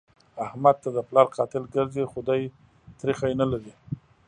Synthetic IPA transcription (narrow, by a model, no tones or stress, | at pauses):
ahmad̪̚t̪ad̪əplɑɾqɑt̪ɪlɡəɾzexʊd̪aj | t̪ɾixajnalaɾi